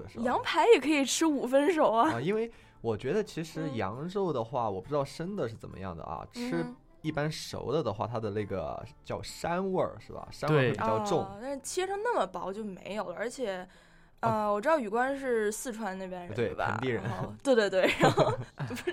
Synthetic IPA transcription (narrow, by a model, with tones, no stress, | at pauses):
jɑ˧˥ŋpʰa˧˥ɪjɛ˨˩kʰɤ˧˥i˨˩ʈ͡ʂʰɻ̩˥u˨˩fə˥nʂ̬o˨˩ʊɐ˦˧i˥nwe˥˩ɪ | wɔ˨˩t͡ɕɥɛ˧˥d̪ə˧t͡ɕʰi˧˥ʂɻ̩˧˥jɑ̰˧˥ŋʈ͡ʂo˥˩ʊd̪ə˩xwa˥˩wɔ˨˩pu˥˩ɻ̩˥t̪ɑ˥˩ʊʈ͡ʂə˥nd̪ə˨ʂɻ̩˥˩t͡sə̰˨˩mə̰˦jɑ̰˥˩ŋd̪ə̰˩ɐ̰˩ʈ͡ʂʰɻ̩˥ | i˥˩pa˥nʂo̰˧˥ʊd̪ə˧d̪ə˨xwa̰˥˩t̪ʰa˥d̪ə˨na˥˩ɡə̰˩t͡ɕjɑ˥˧ʊʂa˥nwə˥˩ʂɻ̩˥˩bɐ̰˩ʂa˥˧˥pi˨˩jɑ˥˧ʊʈ͡ʂʊ˥˩ŋt̪ʂɻ̩˥˩t͡ɕʰi˧˥ʈ͡ʂʰɤ˥ŋna˥˩mə˩pɑ˥ʊt͡ɕjo˥˩ʊmḛ˧˥ɪjo˨˩ʊlə˦˧ə˞˧˥t͡ɕʰjɛ˨˩˦ | ə˧wɔ˨˩ʈ͡ʂɻ̩˥d̪ɑ˥˩y˨˩kwa˥nʂɻ̩˥˧sɹ̩˥˩ʈ͡ʂʰwa˥nna˥˩pjɛ˥nɻə˧t̪we˥˩ɪbɐ̰˨˧˥nt̪i˥˩ɻə̰˧˥n˥t̪we˥˧ɪt̪we˥˧t̪we˥˩ɪɻa˧˥